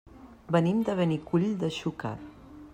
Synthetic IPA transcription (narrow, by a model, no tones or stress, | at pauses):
bənimd̪əβɛnikuʎd̪əʃuka̰t